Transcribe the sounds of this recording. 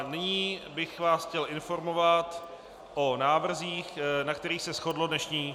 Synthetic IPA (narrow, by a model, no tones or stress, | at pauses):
nɪɲiːbɪxvaːsxcɛlʔɪnfo̞ɾmo̞vat̪ | ʔonaːvr̩ziːxnakt̪ɛɾiːxsɛsxo̞dlodnɛʃɲiː